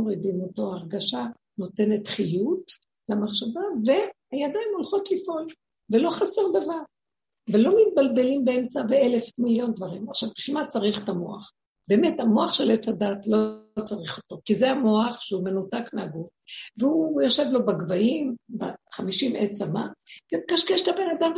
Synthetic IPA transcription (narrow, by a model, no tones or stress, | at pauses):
oʁidimoto̞aʁɡaʃa | no̞te̞ne̞tχijut | lamaχʃavave̞ | ajadaimo̞lχo̞tlifʔo̞l | velo̞χaseʁd̪avaʁ | velo̞mit̚balbe̞limbeemt͡saveele̞fmiljo̞ndvaʁimaχʃavbʃimat͡saʁiχtamo̞aχ | b̥e̞ːme̞thamo̞aχʃe̞let͡sadatlo̞t͡saʁiχo̞to̞kizeamo̞aχʃeume̞nutakmeaɡufveujoʃe̞vlo̞baɡvaimbaχamiʃimet͡sama̰vekaʃkeʃtabe̞nadam